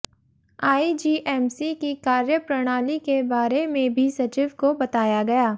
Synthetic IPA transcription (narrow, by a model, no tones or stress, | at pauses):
aːid͡ʒiːʔɛːmsikikaːɾjəpɾɐɽ̃aːlikebaːɾemẽbʱisɐt͡ʃɪʋkobɐt̪aːjaɡɐjaː